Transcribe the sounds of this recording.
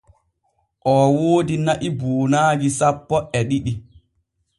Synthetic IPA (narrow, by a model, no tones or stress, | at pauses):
ʔɔːwoːdinaʔiboːnaːɡisapːɔɛɗiɗi